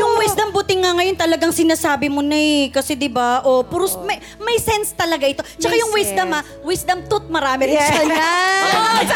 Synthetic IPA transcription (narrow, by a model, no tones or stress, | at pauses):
jʊŋwɛsd̪ɐmbʊt̪ɪŋːɐŋɐjo̞nt̪ɐlɐɡaŋsɪnaːsaːbɪmonɐjkɐsɛd̪ɪbaʔopʊɾʊsmɐ | mɐjsɛnst̪ɐlɐɡaʔɪt̪o̞t͡ʃɐkajʊŋwɛsd̪ɐmɐ | wɪsd̪ɐmt̪ʊt̪̚mɐɾaːmɪɾɪsɐna